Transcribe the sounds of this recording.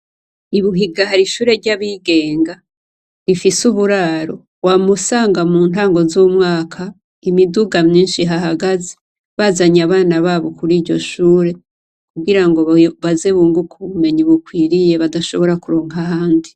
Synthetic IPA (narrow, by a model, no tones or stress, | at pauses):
iβuɦiɡahaɾiʃuːɾe̞ɾɟaβiːɡe̞ːŋɡa | ɾifisuβuɾaːɾo̞ | wamusaːŋɡamuːn̥aːŋɡo̞zuːmŋaːkʰa | imiduɡamɲiːnʃiɦaɦaɡaze̥ | βazaɲaβaːnaβaːβo̞kuɾiːɾɟo̞̰ʃuːɾe̞ | kuɡiɾaŋɡo̞βaze̞βuːŋɡukʰuβume̞ɲiβukwiːɾije̞βadaʃo̞βo̞ɾakuɾoːŋhahaːndi